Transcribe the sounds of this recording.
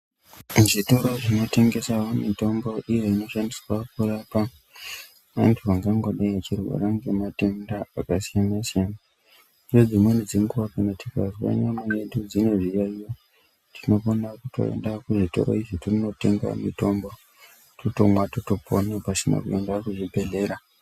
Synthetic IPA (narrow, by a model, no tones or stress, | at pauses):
ʐito̞ɾo̞ʐino̞te̞ŋɡe̞sawomito̞mbo̞ʔije̞ino̞ʃandiswakurapa | ʋantʰuʋaŋɡaŋɡoɗaiat͡ʃirwa̰ɾaŋɡe̞mate̞ndaakasijanasiana | od͡zimwenid͡ziŋɡuakanotika̰zwa̰ɲamajeɗud͡zino̞ʐijaijo | tʰino̞konakuto̞̰ḛndakuʐito̞̰ɾo̰iʐitirino̞te̞ŋɡao̰mito̞mbo̞ | toto̞mwatotopo̰nepasina̰kuendakuʐibʱe̞ɮe̞ɾa